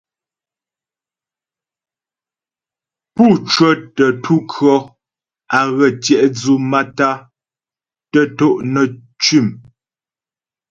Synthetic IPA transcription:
puː˦˨t͡ʃwə˦tə˨tʰu˦kʰɰɔ˦ | a˨ɣə˨tjɛ˨ʔd͡zu˦ma˦ta˦ | tə˦to˦ʔnə˨ | t͡ʃi˦˨m

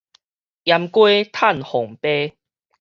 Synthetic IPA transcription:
ja˧mkwe˦t̪ʰa˥˨nhɔ˨˩ŋpe˦

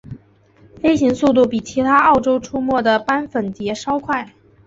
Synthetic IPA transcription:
fe˥ɪɕi˧˥ŋsu˥˧t̪̬u˥˩pi˨˩t͡ɕʰi˧˥t̪ʰa˥ɑ˥˩ʊʈ͡ʂo˥ʊʈ͡ʂʰu˥mwɔ˥˩d̪ə˩pa˥nfə˨˩nt͡ɕjɛ˧˥ʂɑ˥ʊkʰwa˥˩ɪ

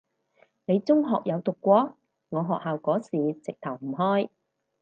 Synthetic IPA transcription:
ne˨˧jt͡sʊ˥ŋɦɔː˨k̚jɐ˨˧wt̪ʊ˨kːʷɔː˨˥ | ŋɔː˨˧ɦɔː˨k̚haː˨wkɔː˨˥siː˨t͡sɪ˨k̚t̪ʰɐ˨˩wm̩˨˩ɦɔː˥j

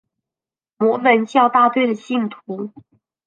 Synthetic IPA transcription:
mwɔ˧˥mə˧˦nt͡ɕjɑ˥˧ʊt̪a˥˧t̪we˥˩ɪd̪ə˩ɕi˥˩nt̪ʰu˧˥˦

